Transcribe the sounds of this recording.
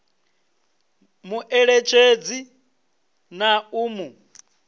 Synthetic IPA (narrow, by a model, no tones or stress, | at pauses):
muʔɛɺet͡ʃʰed͡zi | nauːmu